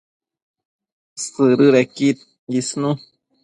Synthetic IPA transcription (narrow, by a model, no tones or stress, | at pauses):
sɨɾɨɾekit̪̚ | isnu